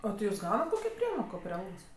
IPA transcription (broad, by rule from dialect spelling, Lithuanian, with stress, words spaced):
ɐ tʲɪ ˈjuːs ˈɡɐʊnɐt ˈkoːkʲoː ˈpʲrʲiɛmoːkoː pʲrʲɪ ˈɐlˠɡoːs